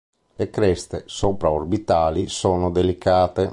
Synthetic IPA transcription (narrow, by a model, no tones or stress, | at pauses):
lekɾɛst̪esoːpɾaorbit̪aːlisoːnod̪elikaːt̪e